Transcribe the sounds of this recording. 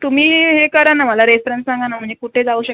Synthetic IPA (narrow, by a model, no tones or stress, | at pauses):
t̪um̤iːɦekəɾənːaməlaɾefɾenssãŋɡanam̤əɳd͡zekuʈʰed͡zauɕə